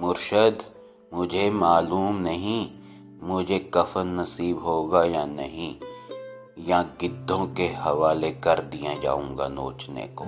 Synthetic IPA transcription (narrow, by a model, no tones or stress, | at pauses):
mʊɾʃəd̪ | mʊd͡ʒʱemaːluːmnɐɦĩ | mʊd͡ʒʱekɐfənnɐsiːbɦoːɡajanɐ̰ɦĩ | jãɡɪd̪ʱːõkehɐʋaːlekɐɾd̪ijad͡ʒa̰ːũːŋɡa̰no̰ːt͡ʃnḛkoː